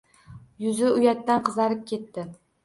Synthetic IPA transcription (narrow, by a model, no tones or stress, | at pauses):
jʊzɪʊjat̪ːanqɨzaɾɪp̚kʲe̞t̪ːɪ